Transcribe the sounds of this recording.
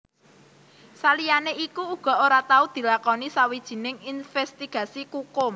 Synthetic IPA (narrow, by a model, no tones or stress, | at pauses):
salijaneʔikuuɡ̥ɔ̤oɾat̪aud̪̥i̤lakɔnisawid̥ʒ̥i̤nɪŋinfɛst̪iɡ̥ä̤sikukʊm